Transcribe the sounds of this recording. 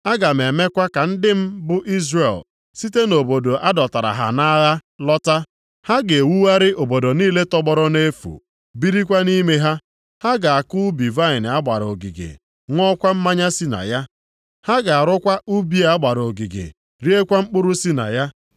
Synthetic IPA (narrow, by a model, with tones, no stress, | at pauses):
a˦ɡa˨m̩˨e˨me˦kʷa˦ka˨n̩˦dɪ˦m̩˦bʊ˦ʔi˦zre˨l | si˦te˦no˨bo˨do˨ʔa˦dɔ˨ta˨ɾa̰˨ɦa̰˨na˦ɣa˦lɔ˦ta˦ | ha˦ɡe˨wu˦wa˦ɾɪ˦ʔo˨bo˨do˨niː˦le˦tɔ˦ɡ͡bɔ˦ɾɔ˦ne˦fṵ˨ | bi˦ɾi˦kʷa˦ni˦me˦ɦa˦ | ha˦ɡa˨a˨kʊ˦bi˨va˦ɪ˨n˨a˦ɡ͡ba˨ɾo̰˨ɡḭ˨ɡḛ˨ | ŋʷɔ˦kʷa˦m̩˦ma˦ɲa˦si˦na̰˨ja˦ | ha˦ɡa˨a˨ɾʊ˦kʷa˦ʔu˦bi˦a˨a˦ɡ͡ba˨ɾo˨ɡi˨ɡḛ˨ | ɾi˦e˦kʷa˦ŋ͡m̩˦k͡pʊ˦ɾʊ˦si˦na̰˨ja˦